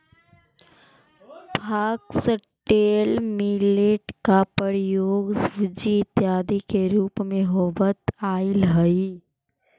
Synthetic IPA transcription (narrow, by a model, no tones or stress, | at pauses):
bʱaːksəʈːeːlmileʈkapəɾjoːɡsʋɪd͡ʒit̪jaːd̪ikeɾuːpmẽɦoːʋət̪aːɪlɦəi